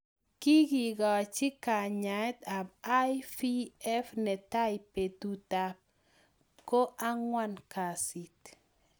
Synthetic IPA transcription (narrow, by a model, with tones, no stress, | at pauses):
ki˦ki˨ɡa˨t͡ʃi˦ka˨ɲa˨ɛ˦t̪a˨ba˦jfi˦ɛ˦fnɛ˨ta˦jpe˨tu˦ta˦p̚ | ko˦ʔa˦ŋwa˦nka˨si˨t